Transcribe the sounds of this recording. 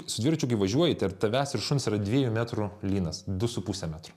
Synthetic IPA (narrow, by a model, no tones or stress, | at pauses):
sʊd̪ʲʋʲiɾt͡ʃʲukɐɪʋɐʒʲuɔjɪt̪ʲɐrt̪ɐʋʲæːsʲɪɾʃʊnsiːɾɐd̪ʲʋʲiɛjumʲæt̪ɾʊlʲiːnɐsd̪ʊsʊpuːsʲɛmʲæːt̪ɾʊ